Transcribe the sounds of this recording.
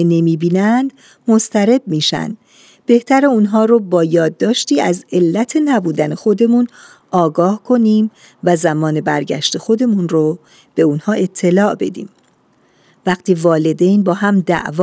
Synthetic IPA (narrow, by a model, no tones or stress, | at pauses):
ene̞miːbiːnænd̪̥ | most̪æɾe̞b̚miːʃæ̰nd̪̥ | b̥e̞ht̪ʰæɾe̞unɦɒːɾobɒːjɒːd̪ːɒːʃt̪iːæze̞lːæt̪ʰe̞næbuːd̪ænexo̞d̪e̞muːn | ɒːɡɒːhkʰo̞niːm | væzæmɒːne̞bæɾɟæ̰ʃt̪e̞xo̞d̪e̞munro | b̥e̞uːnhɒːʔe̞t̪ʰːe̞lɒːʔbe̞̰d̪ḭːm | væxt̪ʰiːvɒːle̞d̪e̞jnbɒːɦæmd̪æ̰ʔv